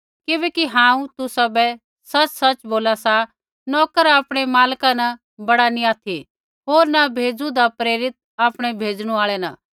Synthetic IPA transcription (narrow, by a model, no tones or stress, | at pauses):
kɪbɛːkiɦãːũt̪ʊsɐbɛ | sɐt͡ʃsɐt͡ʃboːlasa | nɔːkəɾaːpɽ̃emaːlkanɐ | bɐɽaniaːt̪ʰi | ɦoːɾnabʱeːd͡zud̪apɾeːɾɪt̪̚aːpɽ̃ɛbʱeːd͡ʒɽ̃uaːɭɛnã̰